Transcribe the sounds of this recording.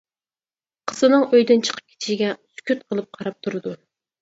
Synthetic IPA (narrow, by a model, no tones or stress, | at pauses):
qʰəz̥ɨnɨŋøjd̪ɪnt͡ʃʰə̥qʰə̥p̚kʲʰe̥t̪ʰɪ̥ʃɡʲɛsy̥kʲyt̪̚qʰəlˠɨp̚qʰɑɾɑp̚t̪ʰuɾɨd̪u